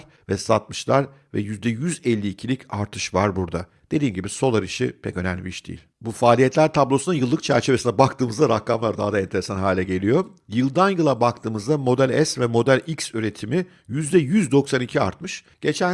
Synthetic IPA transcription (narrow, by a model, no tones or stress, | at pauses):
ɾ | vɛsat̪̚mɯʃlˠaɾvɛ̰jyzd̪ɛjyzɛlʲːiːcʰilʲicʰaɾt̪ʰɯʃvaɾbuɾd̪a | d̪̥e̞d̪iːmɟibiso̞lˠaɾɯʃḭpʰɛ̰cø̞næmlʲibiiʃd̪̥ḭːlʲbufaːlʲijɛt̪lʲæɾt̪ʰablˠo̞sunajɯlˠːɯkt͡ʃʰæɾt͡ʃʰe̞ve̞sinɛbakt̪ʰɯːmɯzd̪aɾakʰːamlˠaɾd̪a̰ɦad̪aɛnt̪ʰe̞ɾesanɦaːlʲɛɟe̞lʲijo̞ | jɯlˠd̪anjɯlˠabakt̪ʰɯːmɯzd̪amo̞d̪ælʲɛsvɛmo̞d̪ælʲiksyɾe̞t̪ʰimi | jyzd̪ɛjyzd̪o̞ksanicʰia̰ɾt̪mɯʃ | ɟ̥e̞t͡ʃʰæ